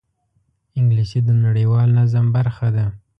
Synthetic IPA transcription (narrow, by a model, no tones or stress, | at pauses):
ɪŋɡlisid̪ənaɽəjwɑlnazambaɾxad̪a